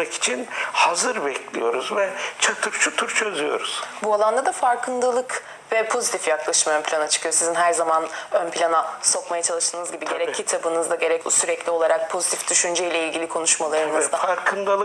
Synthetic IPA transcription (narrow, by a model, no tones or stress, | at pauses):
aki̥t͡ʃʰinhazɯɾbɛcʰlʲijo̞ɾuzvɛt͡ʃʰat̪ʰɯɾt͡ʃʰut̪ʰuɾt͡ʃʰø̞zyjo̞̰ɾuz̥bualˠand̪ad̪afaɾkʰɯnd̪alˠɯk | vɛpʰo̞zit̪ʰifjaklˠaʃɯmaønpʰilʲanat͡ʃʰɯ̥kʰɯjosizinɦæɾzamanønpilʲanaso̞kmajat͡ʃʰalˠɯʃt̪ʰɯːnɯzɟibiɟe̞ɾɛcʰːit̪ʰabɯnɯzd̪aɟe̞ɾɛcbusyɾɛclʲio̞lˠaɾak̚pʰo̞zit̪ʰifd̪̥yʃynd͡ʒɛjlʲɛilʲɟʲilʲikʰo̞nuʃmalˠaɾɯnɯzd̪afaɾkʰɯnd̪alˠ